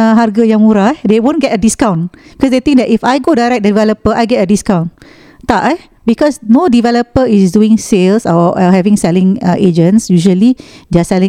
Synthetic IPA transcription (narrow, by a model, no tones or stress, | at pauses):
ɦarɡajãŋmuɾadewõnɡɛtədiskãw̃nbikɔsdet̪ĩŋk̚dɛʔifajɡodajɾɛk̚dədivɛləpəʔajɡɛtədiskãw̃n | t̪aʔa | bikɔsnodivɛləpəisduɪ̃ŋselsɔɔɦɛvĩŋsɛlɪ̃ŋəʔed͡ʒə̃nsjuʒəlideasɛlĩŋ